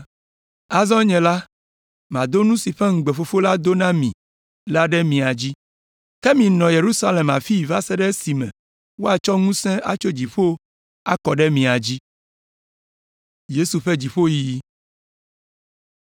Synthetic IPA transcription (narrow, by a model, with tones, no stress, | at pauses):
a˨zɔ̃˦ɲɛ̃˨la˦ | mã˨d̪o˦nũ˦si˨ɸɛ˦ŋ̩˨ɡ͡be˨fo˦fo˦la˦d̪o˦nã˦mĩ˨ | la˦ɖɛ˦mĩ˨a˨d͡ʑi˦ | kɛ˦mĩ˨nɔ̃˨je˨ɾu˦sa˦le˨ma˨fi˦˨va˦sɛ˦ɖɛ˦si˨mɛ̰̃˨ | wo˦a˨t͡ʃɔ˦ŋũ˦sɛ̃˦ʔa̰˨t͡ʃo˦d͡ʑi˨ɸo˦ | a̰˦kɔ˨ɖɛ˦mĩ˨a˨d͡ʑi˦ | je˦su˨ɸɛ˦d͡ʑi˨ɸo˦ji˨ji˦